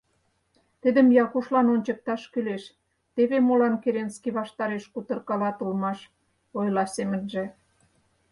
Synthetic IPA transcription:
t̪id̪ə̆mjɑkuʃlɑnonʲt͡ɕə̆k̚t̪ɑʃkyleʃ | t̪eβemolɑnkeɾenskiβɑʃt̪ɑɾeʃkut̪ə̆rkɑlɑt̪ulmɑʃ | ojlɑsemə̆nʒĕ

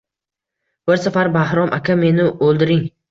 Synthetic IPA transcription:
b̥ɪɾsafaɾbahɾɒmʔakʲame̞nɪolˠd̪ɪɾɪŋ

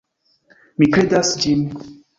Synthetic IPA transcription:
mikɾed̪asd͡ʒin

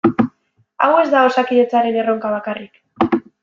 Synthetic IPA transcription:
a̰we̞zd̪ao̞sakiðe̞t͡saɾe̞ne̞ro̞ŋkaβ̞akarik

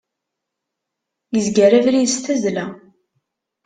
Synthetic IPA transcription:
jəzɡæɾævɾijst̪æzlæ

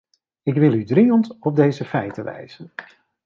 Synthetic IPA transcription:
ɪkʋɪlˠydrijəntɔb̚dejzəfɛjtəʋɛ̰jz̥ən

